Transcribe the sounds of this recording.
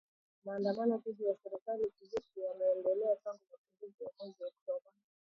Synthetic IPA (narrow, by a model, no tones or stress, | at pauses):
maːndamanɔkiɦijasɛɾikalikizikiamɛːndɛlɛataŋɡumapiŋɡuziwakɔnziɔktɔba